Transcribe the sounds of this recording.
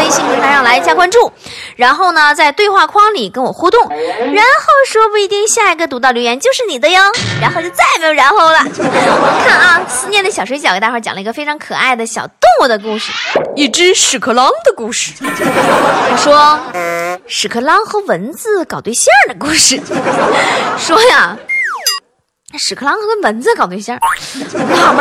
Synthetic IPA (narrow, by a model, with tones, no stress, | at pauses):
e˥ɪɕi˥˩ŋpʰi˧˥t̪ʰa˥ɻɑ˥˩ŋla˧˥ɪ˧˩t͡ɕja˥kwa˥nʈ͡ʂu˥˩ | ɻa˧˥nxo˥˩ʊnə˩t͡sa˥˧ɪt̪we˥˧ɪxwa˥˩kʰwɑ˥ŋli˨˩kə˥nwɔ˨˩xu˥t̪ʊ˥˩ŋɻa˧˥nxo˥˩ʊʂwɔ˥p̬u˥˩i˧˥t̪i˥˧ŋɕja˥˩i˧˥ɡə˧t̪̬u˧˥t̪ɑ˥˩ʊljo˧˥ʊjɛ˧˥nt͡ɕjo˥˧ʊʂɻ̩˥˩ni˨˩d̪ə˦jɑ˥ŋɻa˧˥nxo˥˧ʊt͡ɕjo˥˧ʊt͡sa˥˩ɪme˧˥jo˨˩ʊɻa˧˥nxo˥˩ʊlə˨wɔ˨˩˦kʰa˥˩nɐ˩sɹ̩˥˧njɛ˥˩nd̪ə˩ɕjɑ˨˩ʊʂwe˥ɪt͡ɕɑ˨˩kt̪a˥˧xə˥t͡ɕɑ̰˨˩ŋlə˧i˧˥ɡə˧fe˥ʈ͡ʂʰɑ˧˥ŋkʰɤ̰˨˩a˥˩ɪd̪ə˩ɕjɑ˨˩ʊt̪ʊ˥˧ŋwu˥˩d̪ə˩ku˥˧ʂɻ̩˥˩i˥˩ʈ͡ʂɻ̩˥ʂɻ̩˨˩kʰɤ˥˩lɑ˥ŋd̪ə˨ku˥˧ʂɻ̩˥˩˧ | ʂwɔ˥ | ʂɻ̩˨˩kʰɤ˧˩lɑ˥ŋxɤ˧˥wə˧˥nd͡zɹ̩˥˩kɑ˨˩ʊt̪we˥˩ɪɕjɛ˥d̪ə˩ku˥˧ʂɻ̩˥˩ | ʂwɔ˥ja˩˧˩ | ʂɻ̩˨˩kʰɤ˥˩lɑ˥ŋxkə˥nwə˧˥nd͡zɹ̩˧kɑ˨˩ʊt̪we˥˧ɕjɛ˥˩ | a˥˩